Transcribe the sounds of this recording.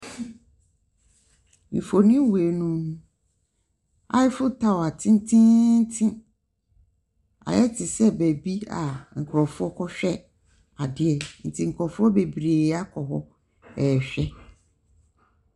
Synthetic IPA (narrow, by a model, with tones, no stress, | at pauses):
m̩˨fo˨nĩ˦we˨nũ˦ | a̰˨˦jɪ˦fʊ˦tʰa˦wa˨tʰĩ˦n˦tʰĩ˦n̩˦tʰĩ˦ | a̰˨jɛ˦tʰɪ˨sɛ˦bæ˨bi˦a̰˨ŋ̩˨kʰɾɔ˨fʊ˦ɔ˦kʰɔ˦ɕᶣɛ˦ | a˨dɪ˨ɛ˨n̩˨tʰi˨ŋ̩˨kʰɔ˨fʊ˦ɔ˦be˨bɾeː˨˦a˦kʰɔ˨ɦɔ˦ | ɛ˨ɕᶣɛ˦